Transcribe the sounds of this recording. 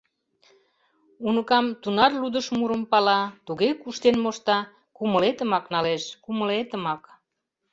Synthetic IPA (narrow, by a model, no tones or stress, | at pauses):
unəkɑmt̪unɑrlud̪əʃmuɾəmpɑlɑt̪uɣekuʃt̪enmoʃt̪ɑ | kuməlet̪əmɑknɑleʃkuməlet̪əmɑk